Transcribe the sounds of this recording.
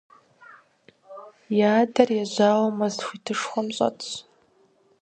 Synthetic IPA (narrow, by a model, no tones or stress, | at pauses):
jaːdarjaʒʷaːlamazxʷitʰɨʂχʷamɕʷʼa̰t͡s